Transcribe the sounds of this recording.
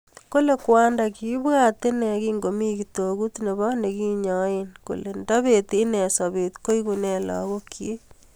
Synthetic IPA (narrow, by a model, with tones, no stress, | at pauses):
ko˦le˨kwa˦ndaki˦ba˦te˦nɛ˨ki˦ŋɡo˨mi˦kito˨ku˦tne˨βɔ˦ne˨ki˦ɲɔ˦enko̰˨le˨nda˦βe˨ti˦nɛ˨sa˨βe˨tko˦i˦kunɛ˨lɔ̰˨ko˦kʰje˦